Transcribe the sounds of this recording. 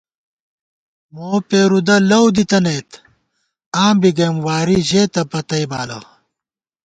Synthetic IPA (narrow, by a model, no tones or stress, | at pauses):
moːpeːɾud̪ɐlɐwd̪it̪ɐneːt̪ | ãːmbiɡeːmwaːɾiʑeːt̪ɐpɐt̪ɐibaːlɐ̰